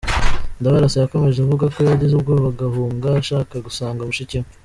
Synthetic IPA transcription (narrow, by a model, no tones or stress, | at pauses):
ndaβaɾaseβako̞me̞ʒekuvuɡakojaβaɟizub̚ɡoβaɡahuːŋɡaʃaːkaɡusaːŋɡamuʃicim